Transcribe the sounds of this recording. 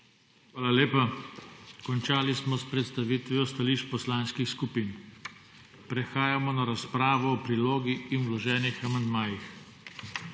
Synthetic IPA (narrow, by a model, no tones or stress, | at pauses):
xʋaːlaleːpa | kɔnt͡ʃaːlismɔspɾɛt̪st̪aʋiːt̪ʋiɔst̪aliːʃt͡ʃpɔslaːnskixskupiːn | pɾɛxaːjamɔnaɾaspɾaːʋɔːpɾiloːɡiːnwlɔʒɛːnixamand̪maːjix